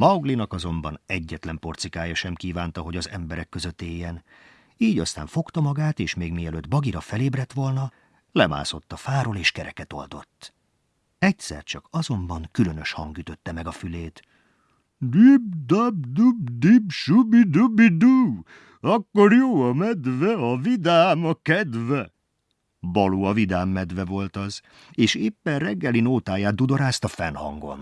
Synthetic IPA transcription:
mɒwɡlinɒkɒzo̞mbɒnɛɟːɛt̪lɛmpo̞rt̪sikaːjɒʃɛmkiːvaːnt̪ɒɦo̞ɟɒzɛmbɛɾɛkːøzø̞t̪ːeːjɛn | iːɟɒst̪a̰ːɱfo̞kt̪ɒmɒɡaːt̪eːʃmeːɡmiɛløːd̪bɒɡiɾɒfɛleːbrɛt̪ʋo̞lnɒ | lɛma̰ːso̞t̪ːɒfaːɾoleːʃkɛɾɛkɛt̪o̞̰ld̪o̞t̪ː | ɛcsɛ̰rt͡ʃɒkɒzo̞mbɒŋkylø̞nø̞ʃhɒŋɡyt̪ø̞t̪ːɛmɛɡɒfyleːt̪ | d̪ibd̪ɒbd̪ubd̪ibʃubid̪ubid̪u | ɒkːorjoːɒmɛd̪ʋɛɒvid̪aːmɒkɛd̪ʋɛ | bɒluɒvid̪aːmːɛd̪ʋɛvo̞lt̪ɒz | eːʃeːpːɛnrɛɡːɛlinoːt̪aːjaːd̪̚d̪ud̪oɾaːst̪ɒfɛnhɒ̰ŋɡo̞̰n

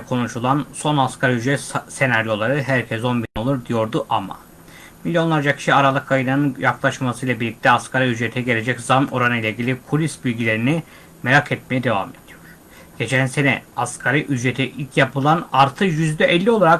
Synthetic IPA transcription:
kʰo̞nuʃulˠanso̞naskʰaɾiyd͡ʒɾɛse̞naɾjo̞lˠaɾɯɦæɾcʰɛszo̞nbino̞lˠuɾd̪ijo̞ɾd̪uʔama̰ | milʲijo̞nlˠaɾd͡ʒacʰi̥ʃiaɾalˠɯkʰːajɯnanɯnjaklˠaʃmasɯjlˠabiɾlːʲic̚t̪ʰɛaskʰaɾiyd͡ʒɾet̪ʰɛɟe̞lʲe̞d͡ʒɛczamo̞ɾanɯajilʲeiɟʲilʲikʰulʲisbylʲɟilʲe̞ɾini | me̞ɾakʰɛt̪̚me̞jɛd̪e̞va̰med̪̥ijo̞ɾ̥ | ɟ̥e̞t͡ʃʰænse̞nɛ̰askʰaɾiʔyd͡ʒɾet̪ʰɛʔilʲcjapʰɯlˠanaɾt̪ʰɯjyzd̪ɛʔɛlʲːio̞lˠaɾak

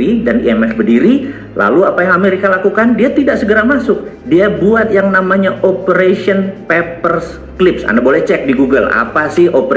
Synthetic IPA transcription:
idanḭɛmɛfbərdiɾi | la̰luapajaŋameɾikalakukandiat̪idaʔsəɡəɾamasʊk̚diabuat̪jaŋnamaɲaʔopəɾesiənpɛpərs | klɪpsa̰ndabolɛht͡ʃɛk̚diɡuɡəla̰pasɪhopə

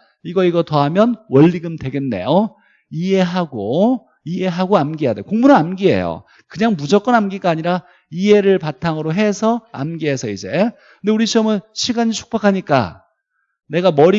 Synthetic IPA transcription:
iɡʌiɡʌtʌɦamjʌnwʌʎːiɡɯmdwe̞ɡe̞nːe̞̰jo | iɦe̞ɦaɡo | iɦe̞ɦaɡoamɡijadeokoŋmuɾɯnamɡiɦe̞̰jo̰ | kɯɲaŋmud͡ʑʌk͈ʌnamɡiɡaːɲiɾa | ie̞ɾɯɭpatʰaŋɯɾoɦe̞sʰʌa̰mɡiɦe̞sʰʌid͡ʑe̞ | ɯndeuɾiɕʰiʌmɯnɕʰiɡaɲit͡ɕʰu̥k̚p͈akʰaɲik͈a̰ | ne̞ɡamʌɾi

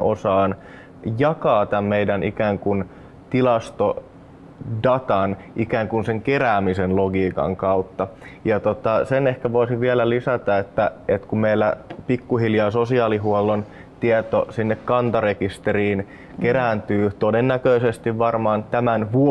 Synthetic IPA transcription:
o̰sɑːn | jɑkɑːt̪æmmeidænḭkæːŋkun | t̪ilɑst̪o | dɑt̪ɑn | ʔikæːŋkunseŋkeræːmisenloɡiːkɑ̰ŋkɑut̪ːɑjɑt̪ot̪ɑsenehkæʋoisiʋielælisæt̪æet̪ːæet̪kummeilːæpikːuhiljɑːsosiɑːliɦuolːon | t̪iet̪o̰sinːekkːɑnt̪ɑɾekist̪eɾiːn | keɾæːnt̪yːt̪odenːækøisest̪iʋʋɑrmɑːnt̪æmænʋu

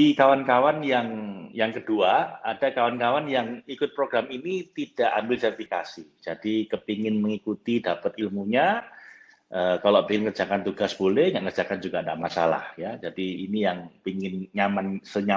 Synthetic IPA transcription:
dikawankawanjaŋjaŋkəduaadakawankawanjaŋikʊt̪̚pɾoɡɾaminit̪id̥aʔa̰mbɪlsaɾt̪ifikasid͡ʒ̥adikəpiŋɪnməŋikut̪idapət̪ilmuɲa | ʔəːkalopiŋɪnkərd͡ʒakant̪uɡasb̥olɛhŋaʔkərd͡ʒakand͡ʒuɡadamasa̰la̰hjad͡ʒadiːnijaŋpiŋɪnɲamansəɲa

